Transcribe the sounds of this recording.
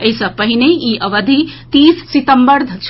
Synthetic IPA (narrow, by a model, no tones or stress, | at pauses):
əisəpəɦineiʔəʋəd̪ʱit̪isːit̪əmbəɾd̪ʱt͡ʃʰ